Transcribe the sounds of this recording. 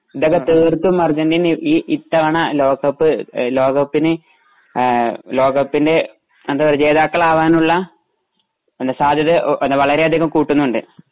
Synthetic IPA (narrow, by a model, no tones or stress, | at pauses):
iðo̞kːet̪eːrt̪ːumːɐrd͡ʑɐndiniːʔit̪ːɐʋɐɳɐlo̞ːɡɐpːɨlo̞ːɣɐpːinɨ | lo̞ːɣɐpːinde̞ | ɐd̪aːʋɐɾed͡ʑe̞ːðaːkːɐɭaːʋaːnuɭːɐ | end̪ɐsaːd̪ʱjɐðɨʔʔnːɐʋɐɭɐɾeɐd̪ʱiɣɐmkuːʈːunːuɳɖɨ